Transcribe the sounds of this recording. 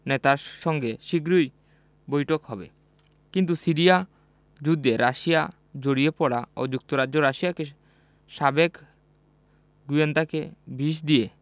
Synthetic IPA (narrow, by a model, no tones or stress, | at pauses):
nɛt̪aɾʃɔŋɡeʃiɡɾuj | bojʈokhɔbḛ | kint̪̬usiɾija | d͡ʒud̪ːeɾaʃija | d͡ʒoɽijepɔɽa̰o̰d͡ʒuk̚t̪oɾad͡ʒoɾaʃijake | ʃabek | ɡuend̪akebiʃ̬d̪ie